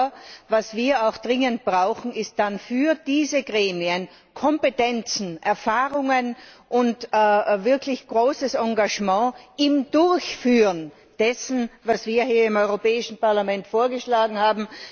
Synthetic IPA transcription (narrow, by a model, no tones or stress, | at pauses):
vasv̥iːɐaʊxd̥ʁɪŋənt̚b̥ʁaʊxn̩ɪst̚d̥anfyːɐd̥iːzəɡʁeːmiən | kʰɔmpetɛnt͡sn̩ʔɛɐfaːʁʊŋənʔʊntːvɪɐkʰlɪçɡ̥ʁoːsəsɑ̃ŋɡaʒmɑ̃ːɪmdʊɐçfyːʁən | d̥ɛsn̩vasv̥iːɐɦiːɐɪmɔʏʁopɛːɪʃn̩paɐlamɛntfoːɐɡəʃlaːɡŋ̩haːbm̩